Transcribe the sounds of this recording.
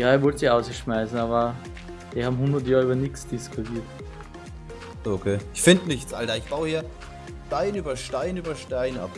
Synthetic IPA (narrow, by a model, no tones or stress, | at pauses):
jaːɛɐvɔltsiçaʊsɡ̥əʃmaɪsn̩aːβɐ | d̥iːɐhaːbm̩hʊndɐtjaːʁyːbɐnɪksd̥ɪskʰʊtʰiːɐt | okʰeːɪçfɪndnɪçtt͡sa̰ldaɪçb̥aʊhiːɐ | ʃtaɪnyːbɐʃtaɪnyːbɐʃtaɪnʔa̰p